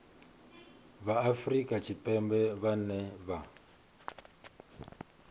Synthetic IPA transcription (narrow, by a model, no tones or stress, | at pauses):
βaːfrikʼat͡ʃʰipʼɛmbɛβanɛβa